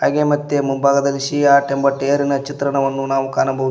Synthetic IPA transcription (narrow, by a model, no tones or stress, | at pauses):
ɐ̰ɡemɐt̪ːemunbʱaːɡɐd̪ɐlːiʃiaːʈembɐʈejɐɾinɐt͡ʃit̪ɾɐɳɐʋɐnːunaːʋukaːnɐmbʱɐʋu